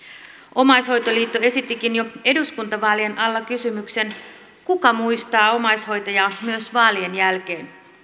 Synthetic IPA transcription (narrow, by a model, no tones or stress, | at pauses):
ʔo̞mɑjsho̞jt̪o̞liːt̪ːoe̞sit̪ːikinjo̞e̞duskunt̪ɑʋɑːlienʔɑlːɑkysymykse̞n | kukɑmuist̪ɑːo̞mɑjsho̞jt̪ojɑmyøsʋɑːlienjælk̟e̞ːn